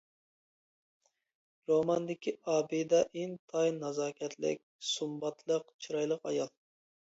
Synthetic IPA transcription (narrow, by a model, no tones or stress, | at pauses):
ɾomɑnd̪ɪkʲiɑːbɨd̪ɛʔent̪ʰɑjnɑzɑːkʲʰɛt̪lɪ̰k̚ʲsumbɑt̪ʰlˠəqt͡ʃʰiɾɑjlˠəqɑjɑlˠ